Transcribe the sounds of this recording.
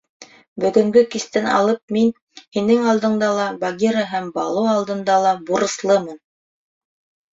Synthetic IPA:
bɵ̆ɡɵ̆ŋɡɵkist̪ɘnɑ̰lˠɤp̚min | hinɘŋɑlˠd̪ɤ̆ɴd̪ɑlˠɑbɐɡʲiɾaɦæmbɑlˠɤɑlˠd̪ɤ̆nd̪ɑlˠɑbuɾɤ̆slˠɤmɤn

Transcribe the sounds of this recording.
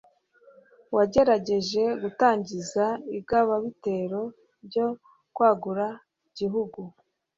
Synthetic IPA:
waɟe̞ɾaɟe̞ʒe̞ɡutaːɲɟizaibɡaβaβite̞ɾo̞ | ɾɟo | kwaːɡuɾa | ɟiɦuɡu

